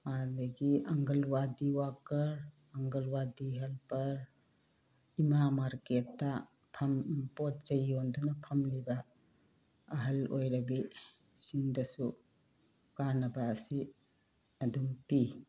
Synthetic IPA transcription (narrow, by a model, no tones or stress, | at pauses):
madɐɡiɐŋɡɐlwadiwakɐɾ | ɐŋɡɐlwadiɦɐlpɐɾ | imamaɾketːɐ | pʰɐmpot̚t͡ʃɐjondunɐpʰɐmlibɐ | ɦɐlojɾɐbi | sindɐsu | kanɐbɐːsi | ɐdumpi